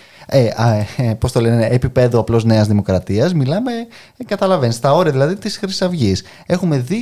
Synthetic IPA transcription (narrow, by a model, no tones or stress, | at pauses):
epo̞st̪o̞le̞neʔepipe̞ðuɐplo̞zne̞ɐzðimo̞kɾɐt̪iɐzmilɐme̞ | kɐt̪ɐlɐvenst̪ɐo̞ɾiɐðilɐðit̪isxɾisɐvʝis | e̞xume̞ði